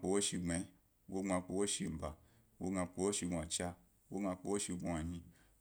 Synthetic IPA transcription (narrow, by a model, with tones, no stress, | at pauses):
k͡po˧wo˦ʃi˧ŋ͡me˨˧˦ | wo˦ŋ͡ma˧k͡po˧wo˦ʃi˧m̩˨ba˨ | wo˦ɡa˧k͡po˧wo˦ʃi˧ɡa˨t͡ʃa˧ | wo˦ɡa˧k͡po˧wo˦ʃi˧ɡʷa˨ɲĩ˧